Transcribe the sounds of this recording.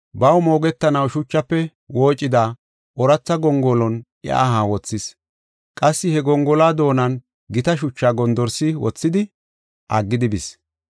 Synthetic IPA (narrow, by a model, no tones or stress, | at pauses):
bɐwmo̞ːɡɛt̪ːɐnɐwʃʊt͡ʃːɐpːɛ | wo̞ːt͡ʃʼːɪd̪a | ʔɔɾɐt͡sːɐɡɔŋɡɔlɔn | ɪ̰a̰ɦaːwɔt͡sːɪs | kʼɐsːɪhɛɡɔŋɡɔlaːd̪o̞ːnɐn | ɡɪt̪ɐʃ̬ʊt͡ʃːaːɡɔnd̪ɔɾsɪwɔ̰t͡sːɪd̪ɪ | ʔɐɡːɪd̪ɪbɪs